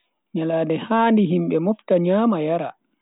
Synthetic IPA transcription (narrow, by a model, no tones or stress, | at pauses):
ɲaladɛhaːndiɦimɓɛmɔftaɲaːmajaɾa̰